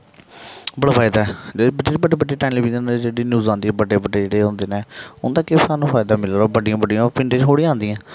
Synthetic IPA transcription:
bəɽaːpʰaːɪd̪aːɛd͡ʒebəɖeːɽibəɖeːbəɖeːʈaːɪnleːbiːd̪end͡ʒeːɽiːnjuːzãːnd̪ibəɖeːbəɖeːd͡ʒeːɽeːɦõːnd̪eːnẽːʊnd̪ãːkefaːnũːpʰaːɪd̪aːmɪlɾoːbəɖɪjãːbəɖijãpɪɳʈeːd͡ʒɦoːɽĩːãːnd̪ijãː

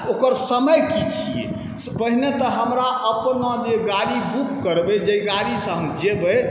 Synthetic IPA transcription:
okəɾsəməjkit͡ʃʰiḛ | spəɦnet̪ɔɦəmɾaəpnad͡ʒeɡaɽibukːəɾbed͡ʒeɡaɽisə̃ɦəmd͡ʒebə

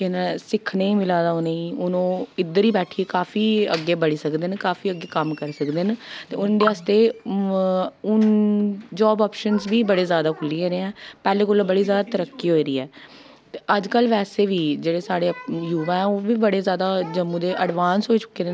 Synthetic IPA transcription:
kɪnesɪkʰneːĩːmɪlaːd̪aːoneĩːʊnõːɪd̪əɾiːbɛːʈʰiːekaːfʰiːəɡːeːbəɽiːsəkd̪enkaːfiːəɡːeːkəmkəɾsəkd̪ent̪eːʊnd̪eːɦast̪eː | ʊn | d͡ʒaːbaːpʃənzʋiːbəɽeːzjaːd̪aːkʰʊlːieːɾeːɛ̃ːpɛːleːkʊlːbəɽiːzjaːd̪aːt̪əɾəkːiːɦoːiːɾiːɛː | t̪eəd͡ʒkəlːʋɛːseːʋiːd͡ʒeːɽeːsaːɽeːjuːʋaːɛ̃ːoːʋiːbəɽeːzjaːd̪aːd͡ʒəmːũːd̪eːʔəɖʋaːnsɦoːiːt͡ʃʊ̥kːeːd̪e

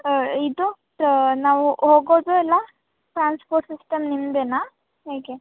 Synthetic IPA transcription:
id̪u | naːʋuɦoːɡoːd̪oɛlːa | ʈɾaːnspoːɾʈsisʈɐmnimd̪enaː | ɦeːke

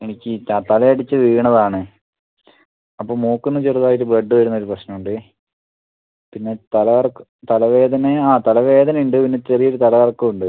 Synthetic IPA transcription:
e̞nikʲːɨat̪ɐlɐjɐɽit͡ɕːɨʋiːɳɐðaːɳɨ | ɐpːoːmoːkːunːɨt͡ɕerðaːjit̬ːɨbeɖːɨʋɐɾunːɐoɾuprɐɕnɐmuɳɖɨ | pinːet̪ɐlɐʋɐrkː | t̪ɐlɐʋe̞ːd̪ɐneaːt̪ɐlɐʋe̞ːd̪ɐnɐuɳɖɨpinːet͡ɕːerijoɾut̪ɐlɐʋɐrkːuuɳɖɨ

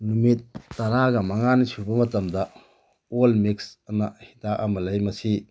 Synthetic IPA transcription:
numit̚ːɐɾaɡɐmɐŋanisubɐmɐtɐmdɐ | olmiksɐnɐhitaʔamɐlɐjmɐsi

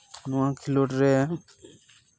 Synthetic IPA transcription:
nɔãkʰiloʈɾɛ

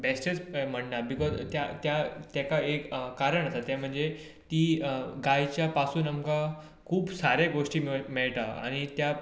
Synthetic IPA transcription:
besʈet͡sm̤əɳnabikɔzt̪jat̪jat̪jakaekkaɾəɳasat̪jãm̤əɳd͡ze | t̪iːɡajt͡ɕjapasuːnamka | kʰuːbsaɾjaɡoʂʈiːmmeɭʈ̪aa̰ɽ̃it̪ja

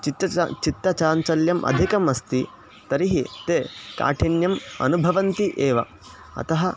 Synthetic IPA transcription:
t͡ʃit̪ːɐt͡ʃit̪ːɐt͡ʃaːnt͡ʃɐljɐmʔɐ̰d̪ʱikɐmɐst̪i | t̪ɐɾiɦit̪eːka̰ːʈʰinjɐmɐ̰nubʱɐʋɐnt̪iʔeːʋɐ̰ | ɐ̰t̪ɐɦɐ

